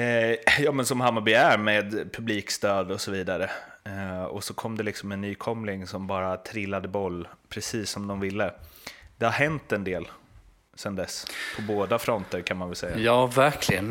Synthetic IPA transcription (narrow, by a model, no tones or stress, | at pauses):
jɑːmɛnsɔmɦamːabʏæɾmeːd̪pʰɵbliːkst̪øːd̪ɔsɔviːd̪aɾə | ɔ̰sɔkʰɔmːd̪ɛlɪksɔmɛnːyːkʰɔmlɪŋsɔmbɑːɾat̪ʰɾɪlːad̪əbɔlːpʰɾɛsiːsːɔmd̪ɔmvɪlːəd̪̥ɛhahɦɛnt̪ɛnd̪eːl | sɛnd̪ɛspʰɔboːd̪afɾɔnt̪əɾkʰanmanvɛlsɛjːajɑːvæɾkʰlɪɡən